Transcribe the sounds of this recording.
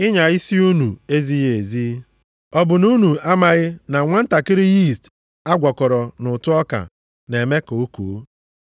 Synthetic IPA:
ɪ˦ɲa˨i˦si˦u˦nu˨e˦zi˦ɦe˨zi˦ | ɔ˦bʊ˨nu˦nu˨a˦ma˨ɣɪ˦na˨ŋʷa˦n̩˦ta˨kɪ˦ɾɪ˦ji˦˨st | a˦ɡʷɔ˨kɔ˨ɾɔ˨nʊ˨tʊ˦ɔ˦ka̰˨ | ne˨me˦ko˨o˦ko̰˨˦

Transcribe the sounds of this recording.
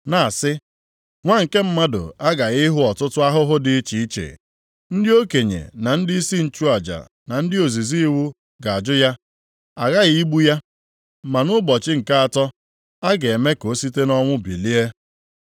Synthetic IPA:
na˨sɪ˦ | ŋʷa˦ŋ̩˨ke˦m̩˦ma˦dʊ̰˨a˦ɡa˨ɣɪ˦ɦʊ˦ɔ˨tʊ˦tʊ˦a˦ɦʊ˦ɦʊ˦dɪ˨˦t͡ʃi˨i˦t͡ʃḛ˨ | n̩˦dɪ˦o˦ke˨ɲḛ˨na˨n̩˦dɪ˦i˦si˦n̩˨t͡ʃu˦a˨d͡ʒa̰˨ | na˨n̩˦dɪ˦o˨zi˨zi˦i˦wu˦ | ɡa˨a˨d͡ʒʊ˦ja˦ | a˨ɣa˦ɣi˦ɡ͡bu˦ja˦ | ma˨nʊ˦bɔ˨t͡ʃɪ˦ŋ̩˨ka˦a˨tɔ˦ | a˦ɡe˨e˨me˦ko˨˦si˦te˦nɔ˦ŋʷʊ˦bḭ˨li˦e˦

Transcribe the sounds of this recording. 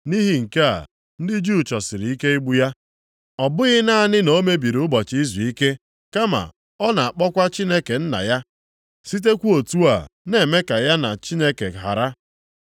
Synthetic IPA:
ni˦ɦi˨ŋ̩˨ke˦a̰˨ | n̩˦dɪ˦d͡ʒu˦˨t͡ʃɔ˨sɪ˨ɾi˨˦i˦ke˦i˦ɡ͡bu˦ja˦ | ɔ˨bʊ˦ɣɪ˦na˦a˦nɪ˦no˦me˦bi˨ɾʊ˦bɔ˨t͡ʃi˦zu˨i˦ke˦ | ka˦ma̰˨ | ɔ˦na˨a˨k͡pɔ˦kʷa˦t͡ʃi˦ne˦ke˨n̩˦na̰˨ja˦ | si˦t̬e˦kʷu˦o˨tu˦a̰˨ne˨me˦ka˨ja˦na˨t͡ʃi˦ne˦ke˨ɦa̰˨ɾa˦

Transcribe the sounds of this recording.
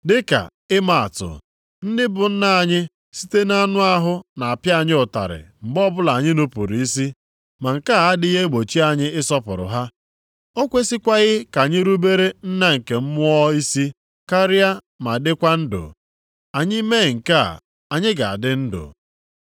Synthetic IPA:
dɪ˦ka̰˨ | ɪ˦ma˨a̰˨tʊ̰˨ | n̩˦dɪ˦bʊ˨n̩˦na˦˨ɲɪ˦ | si̥˦te˦na˦nʊ˦a˦ɦʊ˦na˨a˨pja˦˨ɲɪ˦ʊ˨ta̰˨ɾɪ̰˨m̩˨bɔ˦bʊ˦la˨a˨ɲɪ˦no˦pṵ˨ɾi˨i˦si˦ | ma˨ŋ̩˨ka˦˨a˦dɪ˦ɦe˦ɡ͡bo˨t͡ʃi˦a˨ɲɪ˦ɪ˦sɔ˦pʊ̰˨ɾʊ̰˨ɦa˦ | o˦kʷe˦si˦kʷa˦ɣɪ˦ka˨ɲɪ˦ɾu˦be˦ɾe˦n̩˦na˦ŋ̩˨ke˨m̩˦mʊ˦ɔ˦i˦si˦ | ka˦ɾɪ˦a˦ | ma˨dɪ˦kʷa˦n̩˦dʊ̰˨ | a˨ɲɪ˦me˦˨ŋ̩˨ka̰˦˨ | a˨ɲɪ˦ɡa̰˨a̰˨dɪ˦n̩˦dʊ̰˨

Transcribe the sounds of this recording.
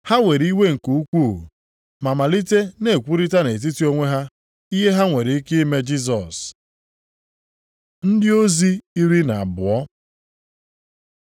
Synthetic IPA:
ha˦ŋʷe˨ɾi˦we˦ŋ̩˨ku˨u˦kʷu˦˨ | ma˨ma˨li˦te˦ne˨kʷu˦ɾi˦ta˦ne˨t̬i˦ti˦o˦ŋʷe˦ɦa˦ | i˦ɦe˦ɦa˦ŋʷe˨ɾi˨˦kɪ˦me˦d͡ʒi˦s̬ɔ˨s | n̩˦dɪ˦o˦zi˦i˦ɾi˦na˨a˨bʊ˨ɔ˦

